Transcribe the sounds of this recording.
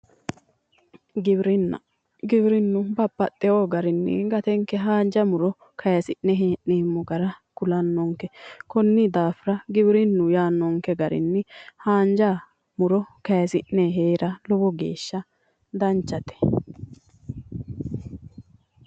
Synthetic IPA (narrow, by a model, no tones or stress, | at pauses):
ɡɪbɾɪnːɐ̰ | ɡɪbɪɾɪnːʊbɐpːɐt̪ʼːɛoɡɐɾɪnːɪ̰ɡɐt̪ɛŋkːɛɦaːnd͡ʒɐmʊɾɔ | kʰɐjɐsɪʔnːɛɦeːʔneːmːɔɡɐɾɐkʊlɐnːɔŋkːɛkɔnːɪd̪aːfɪɾɐɡɪbɾɪnːʊjaːnːɔŋkɛɡɐɾɪ̰nːɪhaːnd͡ʒɐ | mʊɾɔkɐjɐsɪʔnɛɦeːɾʔɐlɔbɔɡḛːʃːɐ | d̪ɐnt͡ʃːɐt̪ɛ̥